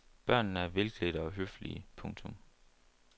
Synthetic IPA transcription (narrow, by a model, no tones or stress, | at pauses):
b̥ɶɐ̰nn̩æɐʋelɡ̥liɾ̥əɒ̽ɦøflḭəpʰɔ̽ŋt͡sʰɔm